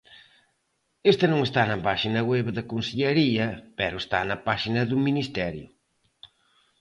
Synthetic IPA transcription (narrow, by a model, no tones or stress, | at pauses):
est̪ɐnõŋest̪anɐpaʃinɐɣwɛβðɐkonseʎeɾiɐpɛɾʊest̪a̰nɐpaʃinɐðuminist̪ɛɾjʊ̰